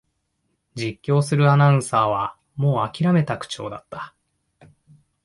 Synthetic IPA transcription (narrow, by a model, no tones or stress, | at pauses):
d͡ʑikʲːo̞ːsɨɾɯ̟anaɯ̟̃saːβ̞a | mo̞ːakʲiɾame̞t̪akɯ̟̥t͡ɕo̞ːd̪at̪ːḁ